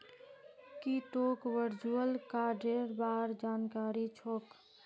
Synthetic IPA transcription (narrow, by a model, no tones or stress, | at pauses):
kiʈoːkʋəɾd͡ʒuəlkaːɾɖeɾbaːɾd͡ʒaːnkaːɾit͡ʃʰoːk